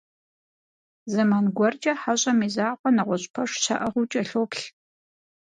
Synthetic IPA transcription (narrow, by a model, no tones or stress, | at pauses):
zɐmanɡʷɔrd͡ʒʼɐħaɕʼɐmiːzaːqʷɔnɐʁʷɔɕʼpʰɐʂɕʰa̰ʔɐʁut͡ʃʼɐɬoːpɬ